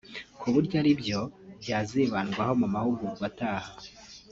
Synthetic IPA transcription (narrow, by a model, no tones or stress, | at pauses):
kʰuβuɾɟaɾibjo̞bjaːziβanɡwaho̞mumahuɡuɡwataːha